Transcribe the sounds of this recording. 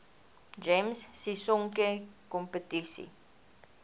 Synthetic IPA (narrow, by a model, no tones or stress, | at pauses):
d͡ʒemsːisɔŋkekɔmpətisḭ